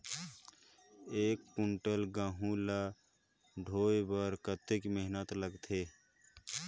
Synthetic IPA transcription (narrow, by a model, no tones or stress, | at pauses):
eːk̚puɳʈəlɡãːɦũla | ɖʱoːebəɾkət̪ːɪkməɦnət̪ləɡt̪ʰeː